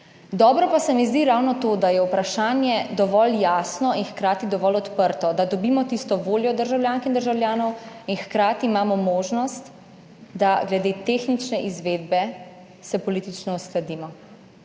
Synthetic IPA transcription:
d̪ɔːbɾɔpasɛmɛzd̪iɾawnɔt̪od̪ajɛupɾaʃaːnjɛd̪ɔʋɔljaːsnɔinxkɾaːt̪id̪ɔʋɔlɔt̪pəɾt̪ɔd̪ad̪ɔbiːmɔt̪ist̪ɔʋoːljɔd̪əɾʒawljaːŋkind̪əɾʒawljaːnɔwinxkɾaːt̪iːmaːmɔmoːʒnɔst̪ | d̪aɡlɛd̪eːt̪exnit͡ʃnɛʔizʋeːd̪bɛ | sɛpɔliːt̪it͡ʃnɔusklad̪iːmɔ

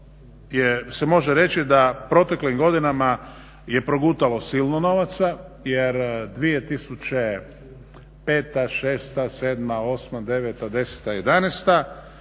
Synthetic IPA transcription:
jese̞moʒeɾe̞t͡ʃid̪apɾo̞t̪e̞klimɡo̞d̪inama | je̞pɾo̞ɡuːt̪alo̞silˠnono̞ʋat̪sajeɾd̪ʋijet̪isut͡ʃe | pe̞ːt̪aʃeːst̪ase̞ːd̪mao̞smad̪e̞ʋet̪ad̪e̞se̥t̪aje̞d̪anest̪a

